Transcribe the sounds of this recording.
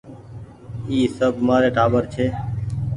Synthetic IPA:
iːsəbʱmaːɾeːʈʰaːbəɾt͡ʃʰeː

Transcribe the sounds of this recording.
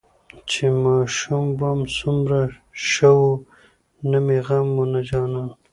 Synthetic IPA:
t͡ʃemɑːʃumbamsumɾa | ʃawu | namiɣamːunad͡ʒɑːna

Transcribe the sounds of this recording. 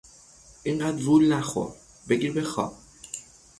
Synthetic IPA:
ʔiɴɢæːd̪vulnæxo̰ɾ | beɡiɾbexɒ̰ːb̥̚

